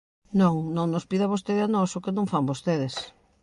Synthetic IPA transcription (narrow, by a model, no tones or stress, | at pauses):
nõŋnõŋnospiðaβost̪eðɪanɔsokenõŋfambost̪eðɪs